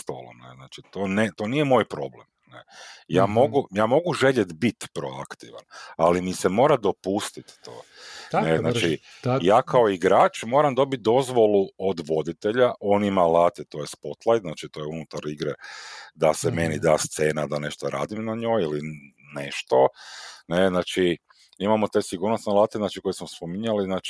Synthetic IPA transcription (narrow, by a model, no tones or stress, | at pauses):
st̪o̰ːlˠo̰mnḛznaːt͡ʃit̪oːnet̪o̞nije̞moːjpɾo̞blḛmnejaːmo̞ɡujaːmo̞ɡuʒe̞ʎet̪bit̪pɾoa̰kt̪iʋa̰nalimisemo̞ːɾad̪o̞pust̪it̪ːo̰neznaːt͡ʃi | jaːkʰaoiɡɾaːt͡ʃmo̞ːɾamd̪o̞bit̪̚d̪o̞zʋo̞luod̪ʋo̞d̪it̪e̞ʎaʔo̞ːnimalˠaːt̪et̪o̞jespo̞t̪lˠajd̪znaːt͡ʃit̪o̞ːjeunut̪aɾiɡɾed̪aseme̞nid̪aːst̪se̞ːnad̪ane̞ʃt̪oɾa̰ːd̪imnaɲo̞ːjili | neʃt̪o̞neznaːt͡ʃi | imamot̪e̞siɡuːɾnosnelˠaːt̪eznaːt͡ʃiko̞jesmospomiɲaliznaːt͡ʃ